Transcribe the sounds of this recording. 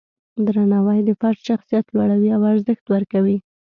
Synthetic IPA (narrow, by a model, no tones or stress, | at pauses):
d̪ɾanɑwəjd̪əfaɾtʃaxsijat̪lwaɽawiawaɾzəxt̪wəɾkawi